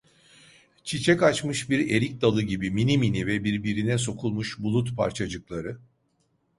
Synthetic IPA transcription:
t͡ʃʰit͡ʃʰɛkat͡ʃmɯʃbiɾe̞ɾic̚d̪alˠɯɟibiminiminivɛbiɾbiɾinɛs̬o̞kʰulˠmuʃbulˠut̪pʰa̰ɾt͡ʃʰad͡ʒɯklˠaɾɯ

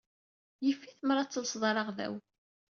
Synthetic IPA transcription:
jəfːiθəmɾˤɑt͡sːəlsðˤɑɾˤɑʁðæ̰w

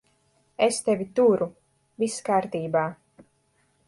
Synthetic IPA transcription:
est̪ɛvʲit̪uɾu | viskaːɾt̪iːbaː

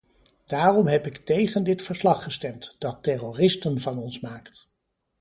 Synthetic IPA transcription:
d̥aːrɔmɦɛpɪktejχəndɪtfəɹslɑχːəstɛmtd̥ɑtɛrorɪstənvɑnɔnsmaːkt

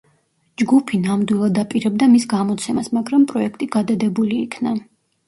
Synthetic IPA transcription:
d͡ʒɡupʰinamd̪wilˠad̪apʼiɾɛb̚d̪amisɡamɔt̪sʰɛmasmaɡɾampʼɾɔɛkʰt̪ʼiɡ̥ad̪ad̪ɛbuliːkʰna

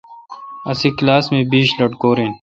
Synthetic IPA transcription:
ɐsiːklaːsmẽːbiːʃlɐʈkoːɾẽːn

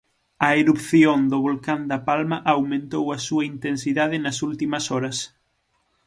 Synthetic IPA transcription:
ɐeɾupθjond̪oβ̞olkand̪ɐpalmɐʔawmẽnt̪owɐsuɐint̪ensiðað̞ɪnɐsult̪imɐsɔɾɐs

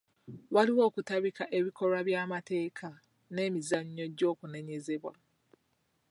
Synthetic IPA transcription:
waliwo̞ːkutaβikaʔe̞βiko̞ɾaβjaːmate̞ːkʰa | ne̞ːmizaɲːo̞ɟo̞ːkune̞ɲe̞ze̞βwa̰

